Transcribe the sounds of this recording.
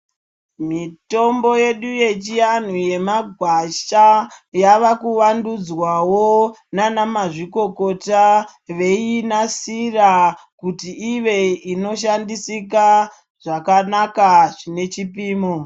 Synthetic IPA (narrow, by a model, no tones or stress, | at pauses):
mito̞mbo̞je̞ɗuje̞t͡ʃijan̤uje̞maɡʱwaʃajaʋakuʋandud͡zwawonanamaʐiko̞ko̞taʋe̞inasirakutiːʋe̞ino̞ʃandisika | ʐ̥akanakaʐine̞t͡ʃipiːmo